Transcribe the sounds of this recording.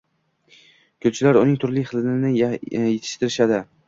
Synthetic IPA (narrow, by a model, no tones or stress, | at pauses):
kʰɵlt͡ʃʰɪlaɾʊnɪŋt̪ʰʊɾlɪjχɨlnɪnɪjet̪ʰɪ̥ʃt̪ɪɾɪʃad̪ɪ